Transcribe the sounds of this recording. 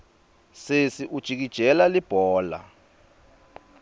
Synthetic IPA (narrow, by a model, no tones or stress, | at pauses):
sesiʔud̥ʒ̥ʱik̬id̥ʒ̥ʱɛlalib̥ʱɔːla̰